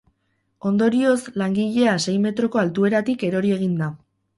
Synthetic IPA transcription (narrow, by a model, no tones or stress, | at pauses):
o̞nd̪o̞ɾio̞slaŋɡiʎe̞ase̞jme̞t̪ɾo̞ko̞alt̪ue̞ɾat̪ike̞ɾo̞ɾie̞ɣ̞ind̪a